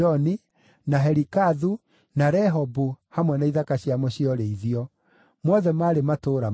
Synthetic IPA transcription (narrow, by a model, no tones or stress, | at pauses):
ɔni | naɦɛɾikaðu | naɾɛɦɔbuhamwɛnaiðakaɕjamwɔɕiɔɾeiðiɔ | mwɔðɛmaɾematoːɾa